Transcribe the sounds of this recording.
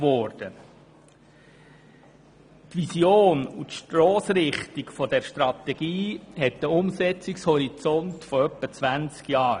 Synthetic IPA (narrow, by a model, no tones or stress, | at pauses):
ʋɔɾd̥ə | tʋisjoːnut̪ʃtɾɔːsɾɪχt̪ikfɔdɛɾʃtɾɑt̪ɛɡ̥iːɦɛtdəʊmsɛt͡sɪkshɔɾit͡sɔntfɔœpːət͡sʋænt͡skjɑː